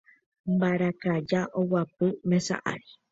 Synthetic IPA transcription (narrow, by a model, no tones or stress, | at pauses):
mbaɾakad͡ʒaʔowapɨmẽsa̰ʔa̰ɾi